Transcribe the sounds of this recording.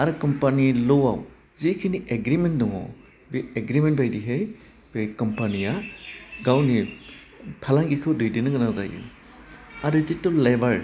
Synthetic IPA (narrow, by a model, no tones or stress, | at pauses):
aɾɯkɔmpanilɔwa̰w | zikʰiniʔeɡɾimendɔŋɔ̰ | bieɡɾimenbajdiɦej | b̥ekɔmpanijaɡawni | pʰalaŋɡikʰɯwdujdinɯɡɯnaza̰jṵ | aɾizitolːebaɾ